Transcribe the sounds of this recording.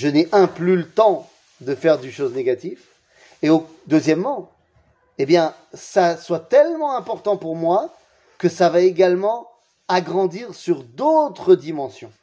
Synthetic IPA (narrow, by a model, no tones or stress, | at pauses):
ʒəneʔɛ̃plylət̪ɑ̃ | d̪əfɛʁd̪yʃozneɡat̪if | eo | d̪øzjɛmːɑ̃ | ebjɛ̃ | saswat̪ɛlmɑ̃ɛ̃pɔʁt̪ɑ̃puʁmwa | kəsavaeɡalmɑ̃ | aɡʁɑ̃d̪iʁsyʁd̪ot̪χəd̪imɑ̃sjɔ̃